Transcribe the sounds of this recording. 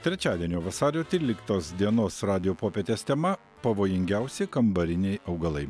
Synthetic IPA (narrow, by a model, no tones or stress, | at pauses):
t̪ʲɾʲɛt͡ʃʲɑːd̪ʲiɛnʲoːʋɐsɑːɾʲoːt̪ʲɾʲiːlʲɪkt̪oːsd̪ʲiɛnoːsɾɑːd̪ʲɪjoːpoːpʲeːt̪ʲeːst̪ʲɛmɐ | pɐʋoːjɪŋʲɡʲæʊsʲɛkɐmbɐɾʲɪnʲɛɪʔɐʊɡɐlˠɐɪ